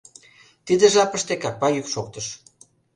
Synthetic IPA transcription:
t̪id̪ĕʒɑpəʃt̪ekɑk̚pɑjykʃokt̪əʃ

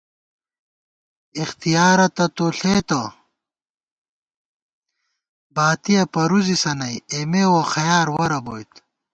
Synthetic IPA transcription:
ixt̪ijaːɾɐt̪ɐt̪oɬeːt̪ɐ | baːt̪ijɐpɐɾuzisɐnɐjemewɐxɐjaːɾwɐɾɐboːjt̪

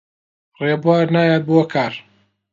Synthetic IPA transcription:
reːbaːɾnaːjaːt̪̚boɐkʰaːɾ

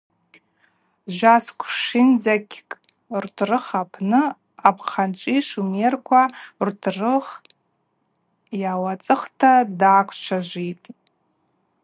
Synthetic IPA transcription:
ʒʷaskʷʰʂind͡zakʲkʼ | rtʰrɨχapʰnɨ | apʰχant͡ʃʷʼiʂumerkʷʰartʰrɨχ | jawat͡sʼɨχtʰadaːkʷʰt͡ʃʷʰaʒʷitʼ

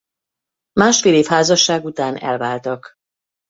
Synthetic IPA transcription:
maːʃfeːleːfhaːzɒʃːaːɡut̪aːnɛ̰lvaːlt̪ɒk

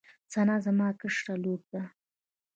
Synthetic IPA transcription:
t͡sanazamɑkəʂʈalob̚d̪a

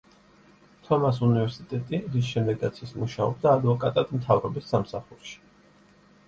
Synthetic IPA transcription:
t̪ʰɔmas̬univɛɾsit̪ʼɛt̪ʼiʁis̬ʃɛmd̪ɛɡɡat̪sʰismuʃaɔ̰b̚d̪aːd̪vɔkʼat̪ʼad̪mt̪ʰavɾɔbisːamsaχuɾʃi̥

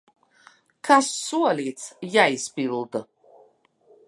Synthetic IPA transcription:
kʰasːuɔlʲiːt̪sʰjaispillˠd̪

